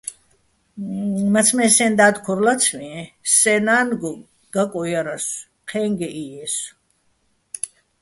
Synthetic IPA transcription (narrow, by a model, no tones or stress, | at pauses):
mat͡sʰmɛsɛnd̪aːd̪kʰuɾlat̪t͡sʰmiɛsɛnanɡɔm | ɡ̥akʼɔjaɾas | qʰɛŋɡɛʔiɛs